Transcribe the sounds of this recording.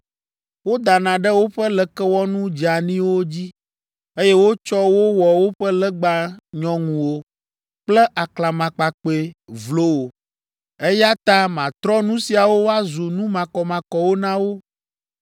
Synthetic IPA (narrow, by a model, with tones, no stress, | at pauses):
wo˦d̪a˨nã˨ɖɛ˦wo˦ɸɛ˦lɛ˨kɛ˦wɔ˦nũ˦d͡ʒi˨a˨nĩ˦wo˦d͡ʑi˦ | e˦jɛ˦wo˦t͡ʃɔ˦wo˦wɔ˨wo˦ɸɛ˦lɛ˦ɡ͡ba˨ɲɔ̃˨ŋũ˨wo˦ | k͡plɛ˦ʔa˨kla˨mã˨k͡pa˨k͡pe˨vlo˦wo˨ | e˦ja˦t̪ã˦mã˨t̪ɾɔ˦nũ˦si˨a˨wo˦wo˦a˦zu˨nũ˦mã˨kɔ˨mã˨kɔ˨wo˦nã˦wo˦